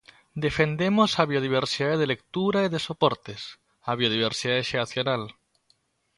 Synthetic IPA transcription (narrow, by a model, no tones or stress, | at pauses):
d̪e̞fend̪emosaβjoð̞iβ̞eɾsiðaðeðelek̚t̪uɾaiðesopoɾt̪es | aβ̞joð̞iβ̞eɾsiðaðeʃeaθjonal